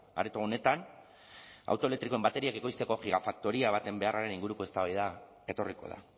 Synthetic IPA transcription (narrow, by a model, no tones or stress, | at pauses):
a̰ɾet̪oːne̞t̪an | a̰wt̪olet̪ɾiko̞e̞mbat̪e̞ɾiake̞ko̞jst̪e̞ko̞xiɣ̞afak̚t̪o̞ɾiaβ̞at̪e̞mbe̞araɾe̞niŋɡuɾuko̞est̪aβajða | e̞t̪o̞riko̞̰ð̞a̰